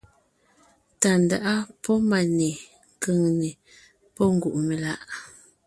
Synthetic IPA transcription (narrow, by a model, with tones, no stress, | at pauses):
ta˨n˨da˨ʔa˦pʰɔ˦ma˨ne˨ | ŋkə˨ŋne˨ | pɔ˦ŋ˦ɡu˨ʔme˨la˦˨ʔ